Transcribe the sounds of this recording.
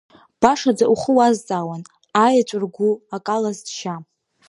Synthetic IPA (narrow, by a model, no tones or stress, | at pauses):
b̥aʂad͡zaʔuχəwazt͡sʼawan | ajat͡ʃʷʼʊrɡʷuakʼalazdʃa